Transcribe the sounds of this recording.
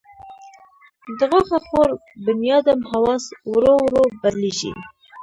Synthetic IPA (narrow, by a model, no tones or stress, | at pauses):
d̪ɨɣoχɛχoɾbɨnjɑːd̪ɛmhɑwɑːswɨɾowɾobɛɾliʒḭ